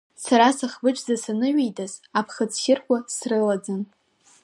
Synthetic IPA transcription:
saɾasaχbɨʈ͡ʂʰʼzasanɨɥejdʼazapʰχat͡sʰʃʲɪrkʷʼasrɨlad͡zan

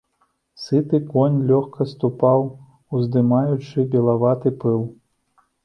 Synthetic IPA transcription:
sɨt̪ɨkɔnʲlʲɔxkʰɐst̪upaw | uzd̪ɨmajut͡ʂɨbʲɛlˠavat̪ɨpɨlˠ

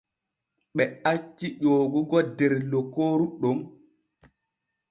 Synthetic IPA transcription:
ɓɛat͡ʃːiʄoːɡuɡɔdɛɾlokoːɾuɗom

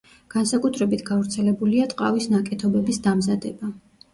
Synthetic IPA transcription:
ɡ̥ansakʼut̪ʰɾɛbit̪ʰɡavɾt̪sʰɛlɛbuliat̪ʼqʼa̰visnakʼɛt̪ʰɔbɛbisd̪amzad̪ɛba

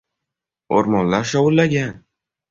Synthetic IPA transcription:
o̰ɾmɒnlaɾʃɒwʊlːaɡʲan

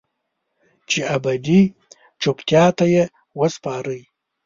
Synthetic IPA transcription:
t͡ʃeabad̪i | ʈ͡ʂopt̪jɑt̪aje | wəspɑɾəj

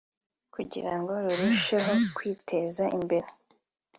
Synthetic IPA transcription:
kuɟḭɾaŋɡo̞ɾuɾiʃeɦokwiːtʰe̞zaʔḭmbe̞ɾe

